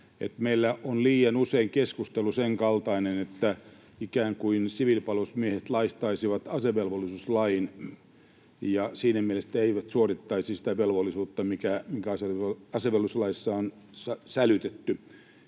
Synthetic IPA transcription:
ḛt̪meilːæʔonliːɑnuseiŋkeskust̪elːuseŋkɑlt̪ɑinenet̪ːæ | ikæːŋkuinsiʋilpɑlosmiehet̪lɑist̪ɑisiʋɑt̪ɑseʋelʋolːˑisuslɑin | jɑsiːnæmielest̪æeiʋæt̪suorit̪ːɑisisi̥t̪æʋelʋolːˑisuːt̪ːɑmikæmiŋkæɑseɑseʋelːuslɑisːɑon | sɑsælyt̪et̪ːy

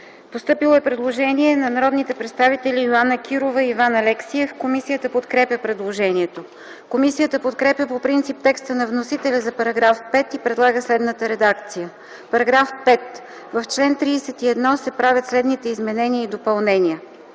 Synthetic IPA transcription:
post̪ɤpilˠoɛpɾɛd̪lˠoʒɛniɛnɐnɐɾɔd̪nit̪ɛpɾɛt̪st̪avit̪ɛlʲioanəkʰʲiɾovəivanɐlɛksiɛfkomisijət̪əpot̪kɾɛpʲjəpɾɛd̪lˠoʒɛniɛt̪o | komisijət̪əpot̪kɾɛpjəpopɾint̪sip̚t̪ɛkst̪ənɐvnosit̪ɛlʲəzɐpɐɾɐɡɾafpɛt̪ipɾɛd̪lˠaɡəslɛd̪nət̪əɾɛd̪akt̪sijə | pɐɾɐɡɾafpɛt̪ | vəft͡ʃlɛnt̪ɾiːsɛt̪iɛd̪nɔsɛpɾavʲət̪slɛd̪nit̪ɛizmɛnɛniəid̪opɐlˠnɛniə

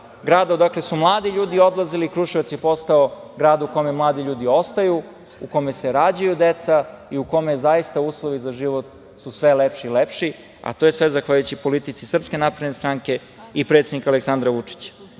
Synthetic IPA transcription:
ɡɾaːd̪ad̪akle̞sumlˠaːd̪iʎuːd̪io̞d̪lˠaziliːkɾuʃiot̪sjepost̪aoɡɾaːd̪ukome̞mlˠaːd̪iʎuːd̪io̞st̪ajuː | ko̞me̞seɾaːd͡ʑajud̪et̪saiuko̞mezajist̪auːslˠoʋizaʒiʋot̪ | susʋelepʃiːlepʃi | a̰t̪ojesʋezaxʋaʎujut͡ɕipo̞lit̪it̪sisr̩pske̞napɾed̪nest̪ɾaŋke̞ | ipɾet̪sed̪nikaleksand̪ɾaʋut͡ʂi̥t͡ɕḁ

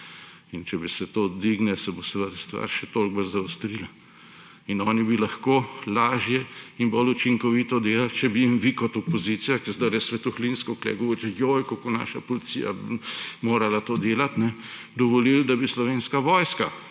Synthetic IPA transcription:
int͡ʃɛbisɛt̪oːd̪ʋiːɡnɛsɛbosʋəd̪st̪ʋa̰ːɾʃɛt̪olk̚bəlzaʊst̪ɾila | inɔːnibilɐxkoːlaːʒjɛinbolut͡ʃiŋkɔʋiːt̪ɔd̪eːlalt͡ʃɛbijimʋikɔt̪ɔpɔzit̪sijakɛzd̪aɾjɛsʋɛt̪uxlinskɔklɛ̰ɡɔʋoːɾit̪jojkokona̰ːʃapɔlit̪sḭːja̰moːɾalat̪oːd̪eːlat̪nɛ | d̪ɔʋɔlild̪abislɔʋeːnskaʋɔːjska

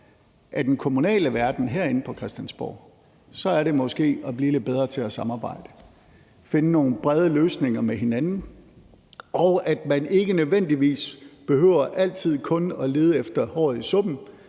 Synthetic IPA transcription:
ʔæd̥enkʰo̝munɛ̰ːləʋæɐd̥n̩ɦeɐ̰e̝n̩pʰɒ̽kʰʁɛsd̥ænsb̥ɒ̰ː | sɒ̽æɐɾe̝mɒ̽sɡ̥e̝̰ːɒb̥liːled̚b̥eð̞ˠʁɐt͡sʰe̝æsɑ̈mɑ̈ːb̥ɑ̈ɪ̰d̥ə | fe̝nəno̝ːn̩b̥ʁɛð̞ˠəløːsne̝ŋɐmeɦe̝nænn̩ | ɒʊæd̥mæne̝ɡ̥ənøðˠʋen̰d̥iʋḭːsb̥e̝hø̰ʊ̰ɐʔæl̰t͡sʰið̞̰ˠkʰɔ̽nɒ̽le̝ːð̞ˠəefd̥ɐhɒ̰ːð̩ˠisɔ̽b̥n̩

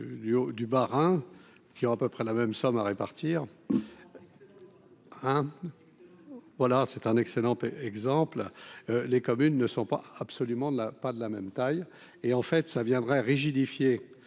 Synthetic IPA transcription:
d̪yod̪ybaʁɛ̃ | kʲiɔ̃apøpχɛlamɛmsɔmaʁepaʁt̪ʰiːʁ | ɛ̃ | vwalasɛt̪ɛ̃nɛkselɑ̃t̪ɛɡzɑ̃pllekɔmynːəsɔ̃pa̰apsɔlymɑ̃d̪əlapad̪əlamɛmt̪aj | eɑ̃fɛt̪savjɛ̃d̪ʁɛʁiʒid̪ifje

